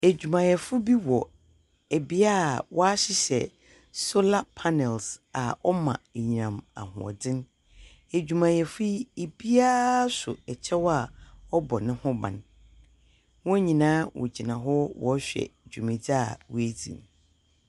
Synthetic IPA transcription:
æ˨d͡ʑᶣu˨mã˨jɛ˨fʊ˦bi˦wɔ˨ | æ˨bi˦a˦˨wɔ˦a˦ɕɪ˦ɕɛ̰˨ | so˦la˦pʰa˦nɛ˨lsa˨ɔ˦mã̰˨ɲi˨ã˨ma̰˨hʊ̰̃˨ɔ̰˨dɪ̃˦n | æ˨d͡ʑᶣu˨mã˨jɛ˨fu˦e˨bi˦a˦sʊ̰˨ɛ˨t͡ɕʰɛ˦wa˨ɔ˦bɔ˨nɪ̃˦hʊ̃˦bã̰˨n | wɔ̃˦æ˦ɲĩ˨nãː˦wɔ̰˨d͡ʑi˨nã˨ɦɔ˦wɔ˨˦ɕᶣɛ̰˨d͡ʑᶣu˨mɪ̃˨d͡za˦˨wæ˦d͡zḭ̃˨m

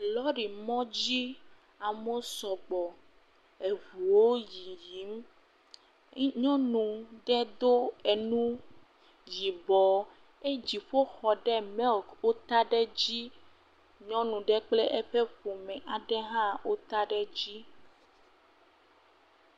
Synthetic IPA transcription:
lɔ˦ɖi˨mɔ̃˦d͡ʑi˦ | a˨mo˦sɔ˨ɡ͡bɔ˨ | e˨vu˨wo˦ji˨ji˨˦m | ɲɔ̃˦nũ˨ɖɛ˦d̪o˦e˨nũ˦ | ji˨bɔ˨ | e˦d͡ʑi˨ɸo˦xɔ˨ɖɛ˦mɛ˦lkwo˦t̪a˦ɖɛ˦d͡ʑi˦ | ɲɔ̃˦nũ˨ɖɛ˦k͡ple˦ʔɛ˦ɸe˦ɸo˨mɛ̃˨ʔa˨ɖɛ˦ɦã˦wo˦t̪a˦ɖɛ˦d͡ʑi˦

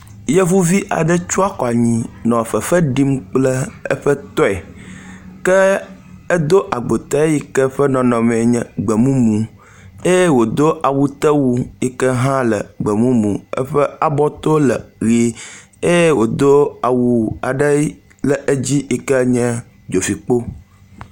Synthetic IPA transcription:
je˦vu˦vi˦ʔa̰˨ɖə˦t͡ʃu˦a˦kɔ˨a˨ɲĩ˨nɔ̃˨ɸə˨fə˦ɖi˦mk͡plə˦ə̰˦ɸə˦t̪ɔ˦ɛ˨ | kə˦ | ɛ˦d̪o˦ʔa˨ɡ͡bo˨t̪ɛ˦ji˦kə˦ɸə˦nɔ̃˨nɔ̃˨mɛ̃˨ɲɛ̃˨ɡ͡bə˨mũ˦mũ˨ | e˦jwo˨d̪o˦ʔa˨wu˦t̪ə˦wu˦i˦kə˦ɦã˦lə˨ɡ͡bə˨mũ˦mũ˨ə̰˦ɸə˦a˨bɔ˦t̪o˦lə˨ɣi˨ | e˦je˦wo˨d̪o˦a˨wu˨a˨ɖə˦ | lə˨ʔe˦d͡ʑi˦i˦kə˦ɲɛ̃˦ | d͡ʒo˨fi˨k͡po˦

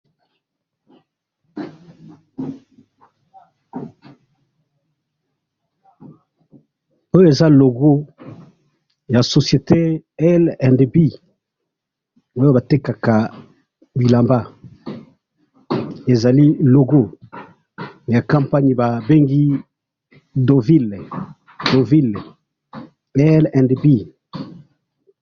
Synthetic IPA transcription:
o˦jo˦e˨za˦lo˨ɡo˦ | ja˨so˨sje˨te˦ɛ˦lɛ˨ndbi˦ | wo˦jo˦ba˨te˦ka˨ka˨ | bi˨la˨mba˦ | e˨za˨li˦lo˨ɡo˦ | ja˨kã˨mpa˦ɲi˨ba˨be˦ŋɡi˦ | do˨vi˦l | do˨vi˦˨l | ɛ˦lɛ̃˨ndbi˦

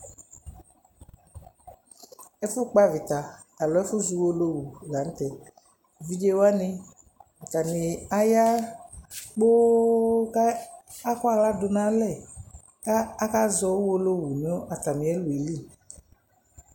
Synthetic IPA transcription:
ɛ˦fʊ˦k͡pa˦vi˨t̪a˨ | a˨lɔ˨˦ɛ˦fʊ˦zu˧wo˦lo˦wu˨la˨n̩˦t̪ɛ˨ | vi˦d͡ʒe˦wa˦nɪ˦ | a˨t̪a˨nɪ˨a˦ja˦ | k͡po˦ka˦a˦kɔ˦a˨ɣla˦dʊ˨nã˦lɛ˦˨ | kaː˦ka˦zɔ˦wo˦lo˦wu˨n˨˦o˦ʔa˨t̪a˨mĩ˨ɛ˦lu˨i˨li˦

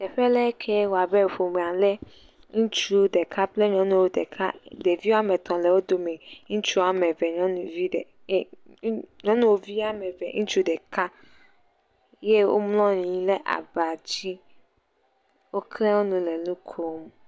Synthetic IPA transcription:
t̪ɛ˨ɸɛ˦lɛ˦kʰɛ˦wo˨a˨bɛ˦˨ɸo˨mẽ˨a˨lɛ˦ | ŋũ˦t͡ʃu˦ɖɛ˨ka˦ple˦ɲɔ̃˦nũ˦wo˦dɛ˨kʰa̰˦ɖe˨vi˦wa˦mɛ̃˨t̪ɔ̃˨lɛ˨wo˦d̪o˨mẽ˨ŋũ˦t͡ʃu˦a˨mɛ̃˨vɛ˨ɲɔ̃˨˦nũ˨vi˦d | ɲɔ̃˦nũ˦wo˦vi˦a˦mɛ̃˨vɛ̰˨ŋũ˦t͡ʃu˦ɖɛ˨ka˦ | je˦wʔo̰˦mlɔ̃˦ɲĩ˨˦lɛ˦ʔa̰˨ba˨d͡ʑi˦ | wo˦klɛ˦wo˦nũ˨le˨nũ˦kʰo˦m˨

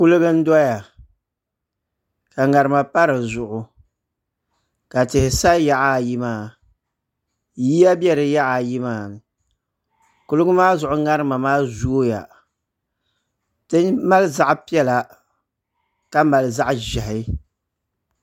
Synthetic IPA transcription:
ku˦lɨ˦ɡɨ˦n̩˦dɔ˦ja˨ | ka˨ŋa˨ɾɨ˨ma˨pa˦ɾɨ˨zʊ˨ʔʊ˨ | ka˨tɪ˨hɪ˨sa˦ja˦ʔa˦˨ji˦maː˦ | ji˦ja˦bjɛ˦ɾɨ˨ja˦ʔa˨ji˦maː˦˨ | ku˦lɨ˦ɡʊ˦maː˦zʊ˨ʔʊ˦ŋa˦ɾɨ˦ma˨maː˦zu˦o˦ja̰˨ | tɨ˦ɲ˦ma˦lza˦ʔpi˦ɛ˦la˨ | ka˦ma˨lɨ˨za˦ʔʒɛ˨ɦɪ˨˦

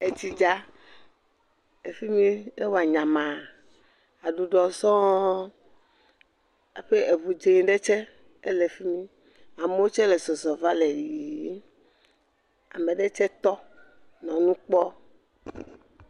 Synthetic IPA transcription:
e˦ti˦d͡ʒa˦ | e˨fi˦mĩ˦e˦wo˨a˨ɲã˨mã˨ | a˨ɖu˨ɖɔ˨sɔ̃˦ | e˦ɸe˦e˨βu˨d͡ʒe˦ɲ˦ɖe˦t͡ʃɛ˦ | e˦le˨fi˦mĩ˦ | a˨me˦wo˦t͡ʃɛ˦le˨zɔ˨zɔ˨va˦le˨ji˨˦ | a̰˨mẽ˨ɖe˦t͡ʃɛ˦t̪ɔ˦ | nɔ̃˨nũ˦k͡pɔ˦

